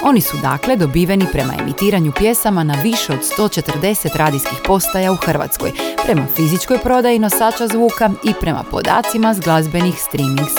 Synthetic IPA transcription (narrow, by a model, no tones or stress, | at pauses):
o̞nisud̪a̰ːkle̞d̪o̞biːʋenipɾe̞ma̰ḛmit̪iːɾaɲupje̞samanaʋiʃe̞o̞d̪̥st̪o̞ːt͡ʃe̞t̪rd̪e̞se̞t̪ɾaːd̪iskixpo̞st̪ajauxr̩ʋa̰t̪sko̰jpɾe̞mafizit͡ʃko̞jpɾo̞d̪ajino̞saːt͡ʃazʋuːkaipɾe̞mʔa̰po̞̰d̪a̰ːt̪simazɡlˠazbe̞nixst̪ɾimiŋɡs